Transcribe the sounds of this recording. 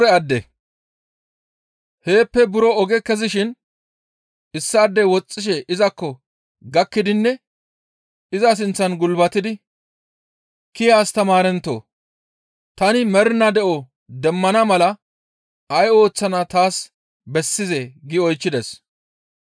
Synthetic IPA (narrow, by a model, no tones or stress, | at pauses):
ɾɛɐd̪ːɛ | he̞ːpːɛbʊɾɔɔɡɛkɛzɪʃɪn | ɪsːɐːd̪ːɛwɔt͡sʼːɪʃ̬ɛʔɪzɐkːɔ | ɡɐkːɪd̪ɪnːɛ | ɪzɐs̬ɪnt͡sːɐnɡʊlbɐt̪ɪd̪ɪ | kɪjaːst̪ɐmaːɾɛnt̪ːo̰ː | t̪ɐnɪmɛɾnɐd̪ɛʔɔ | d̪ɛmːɐnɐmɐlɐ | ɐjo̞ːt͡sːɐnɐt̪aːs | bɛsːɪzɛɡɪɔjt͡ʃːɪd̪ɛs